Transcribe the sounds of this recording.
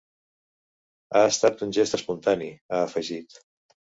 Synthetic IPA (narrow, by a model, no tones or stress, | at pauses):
aəst̪at̪unʲʒest̪əspunt̪aniaəfəʒit̪